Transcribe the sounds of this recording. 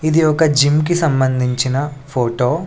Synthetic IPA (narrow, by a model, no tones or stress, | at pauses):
id̪iɔkɐd͡ʒimk̬isɐmbɐnd̪ʱiɲt͡ʃinɐpʰoːʈoː